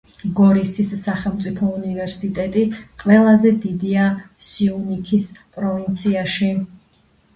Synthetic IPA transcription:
ɡɔɾisisːaχɛlˠmt̪sʼipʰɔunivɛɾsit̪ʼɛt̪ʼiqʼwɛlˠazɛd̪id̪iasiunikʰispʼɾɔvint̪sʰiaʃi

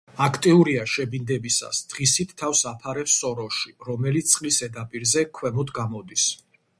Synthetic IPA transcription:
akʰt̪ʼiuɾiaʃɛbind̪ɛbisa̰sd̪̥ʁisit̪ʰːafsapʰaɾɛpsɔɾɔʃiɾɔmɛlit̪ssʼqʼlisɛd̪apʼiɾzɛkʰwɛmɔt̪ɡamɔd̪is

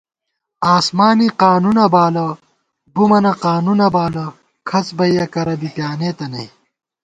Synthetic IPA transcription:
aːsmaːniqaːnunɐbaːlɐ | bumɐnɐqaːnunɐbaːlɐ | kʰɐt͡sbɐjɐkɐɾɐbipjaːneːt̪ɐnɐj

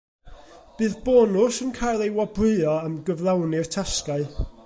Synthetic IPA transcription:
b̥ɨːðbɔːnʊsənkʰajlˠejwɔbrɨːɔəmɡəvlˠawnɨrtʰaskaɨ

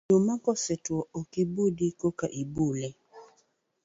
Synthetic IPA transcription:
omakɔsɛtwɔokibudikokaʔibulɛ

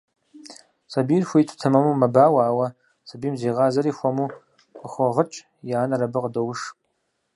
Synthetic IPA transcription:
sɐbiːrxʷʊitʰu̥tʰɐmɐmumɐbaːwaːwɐ | sʰabiːmzeːʁaːzɐɾiːxʷɐmu | χʷɐʁət͡ʃʼ | jaːnɐɾɐbɨqdowʂ

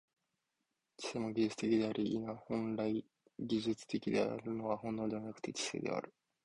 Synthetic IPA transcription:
t͡ɕi̥semoɡʲiʑɨt͡sɨ̥t̪e̞kʲid̪e̞aɾʔiʔḭnahõ̞nɾai | ɡʲiʑɨt͡sɨ̥t̪e̞kʲid̪e̞̰a̰ɾɯ̟no̞βahõ̞nːo̞ːd̪e̞manakɯ̟̥t̪e̞t͡ɕi̥sḛːd̪e̞̰a̰ɾɯ̟

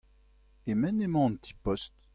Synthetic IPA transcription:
emɛnemɑ̃nt̪ʰi̥pɔst̪

